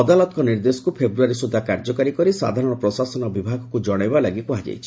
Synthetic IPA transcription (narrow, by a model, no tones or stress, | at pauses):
ɔd̪alɔt̪ɔkɔniɾd̪esɔ̥kupʰebɾuaɾisud̪ʱːakaɾd͡ʒɔkaɾikɔɾisa̰d̪ʱaɾɔɽ̃ɔpɾɔsasɔnɔbibʱaɡɔkud͡ʒɔɽ̃ajbalaɡikuad͡ʒa̰jt͡ʃʰi̥